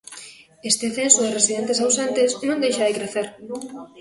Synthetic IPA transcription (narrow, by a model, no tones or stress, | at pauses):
est̪ɪθensoðɪresiðẽnt̪esawsent̪ɪsnõŋd̪ejʃaðɪkɾeθeɾ